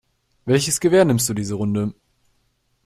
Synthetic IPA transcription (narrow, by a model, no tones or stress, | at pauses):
vɛlçəsɡ̥əveːɐnɪmstd̥uːdiːzəʁ̞ʊndə